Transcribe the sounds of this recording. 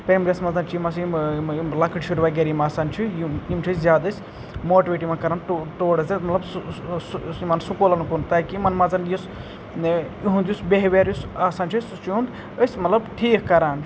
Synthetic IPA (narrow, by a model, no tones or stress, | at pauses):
pɐmɾʲesmɐzɐnt͡ʃʰjimɐs̬immlɐkʰɨʈt͡ʃʰuɾʋaːɡʲeɾimaːsaːnt͡ʃʰijiimt͡ʃʰiszʲjaːd̪ɐsʲ | moːʈiʋeːʈimakɐɾaːnʈːʈoːɽɐsɐmɐt̪lɐb | imɐnsukolɐnkunt̪aːkiimɐnmɐzɐnjis | iɦund̪jusbeɦʋeːɾjusaːsaːnt͡ʃʰist͡ʃund̪ | əsʲmɐt̪lɐbʈʰiːkkɐɾaːn